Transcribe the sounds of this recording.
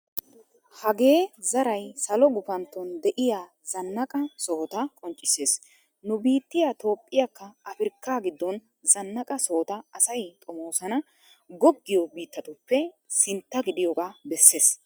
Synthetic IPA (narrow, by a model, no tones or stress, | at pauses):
hɐɡe̞ːzɐɾɐjsɐlɔɡʊfɐnt̪ːɔnd̪ɛʔɪjaː | zɐnːɐkʼɐsɔːt̪ɐkʼɔnt͡ʃʼːɪse̞ːs | nʊbiːt̪ːɪjaːt̪o̞ːpʼːɪjakːɐɐfɪɾkːaːɡɪd̪ːɔn | zɐnːɐkʼɐsoːt̪ɐɐsɐjt̪ʼɔmoːsɐnɐ | ɡɔɡːɪjɔbiːt̪ːɐt̪ʊpːɛsɪnt̪ːɐɡɪd̪ɪjɔɡaːbɛsːe̞ːs